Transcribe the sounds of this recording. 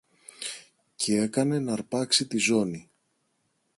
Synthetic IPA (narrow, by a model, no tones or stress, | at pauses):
cʰee̞kɐne̞nɐɾpɐksit̪izo̞ni